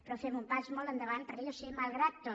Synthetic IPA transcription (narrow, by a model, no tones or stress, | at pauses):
pɾɔfɛmumpazmɔlˠt̪ənd̪əβant̪əɾkeʎosimalˠɣɾat̪ːo